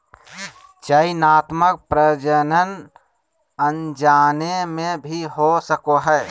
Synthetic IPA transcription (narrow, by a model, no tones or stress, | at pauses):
t͡ʃəinaːt̪mək̚pɾəd͡ʒənən | ənd͡ʒaːnemẽbʱiɦosəkoɦɛː